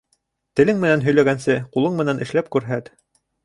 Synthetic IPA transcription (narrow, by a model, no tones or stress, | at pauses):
t̪ɘ̆lɘŋmɘ̆nænɦɵ̆jlæɡænsɘqulˠɤɴmɘ̆nænʔɘ̆ʃlæp̚kʉɾɦæt̪